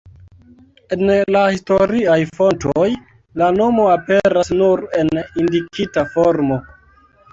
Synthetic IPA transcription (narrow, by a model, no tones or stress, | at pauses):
e̞nlahisto̞ɾiajfo̞ntoj | lano̞mo̞ape̞ɾasnuɾe̞nindikitafoɾmo